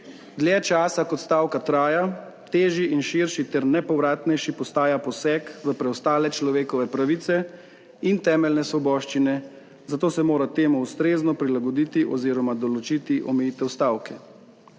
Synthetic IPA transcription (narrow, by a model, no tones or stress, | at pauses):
d̪ljɛt͡ʃaːsakɔt̪st̪aːwkat̪ɾaːja | t̪eːʒiʔinʃiɾʃit̪ɛɾnɛpɔwɾaːt̪nɛjʃipɔst̪aːjapɔsɛkʋəpɾɛɔst̪aːlɛt͡ʃlɔʋeːkɔʋɛpɾaʋit̪sɛ | int̪ɛːmɛlnɛsʋɔbɔːʃt͡ʃinɛ | zat̪oːsɛmoːɾat̪eːmɔust̪ɾeːznɔpɾilaɡɔd̪iːt̪iʔɔziːɾɔmad̪ɔlɔt͡ʃit̪iʔɔmɛjiːt̪ɛwst̪aːwkɛ